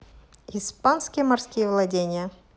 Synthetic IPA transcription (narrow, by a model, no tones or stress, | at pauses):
ɪspanskʲɪjəmɐrskʲijəvlˠɐdʲenʲɪjə